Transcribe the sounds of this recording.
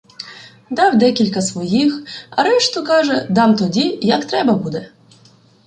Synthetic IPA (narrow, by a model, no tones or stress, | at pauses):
d̪ɑwd̪ɛkʲilʲkɐsʋɔjixɐɾɛʃt̪ɔkɑʒɛd̪ɑmt̪ɔdʲijɐkt̪ɾɛbɐbud̪ɛ